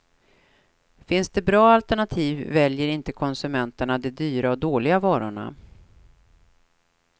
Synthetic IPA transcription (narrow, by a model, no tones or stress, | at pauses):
fɪnsd̪ɛbɾɑːalt̪ɛɳat̪ʰiːvːɛljəɾɪnt̪əkʰɔnsɵmɛnt̪əɳad̪ɛd̪yːɾaɔd̪oːlɪɡavɑːɾʊ̰ɳa̰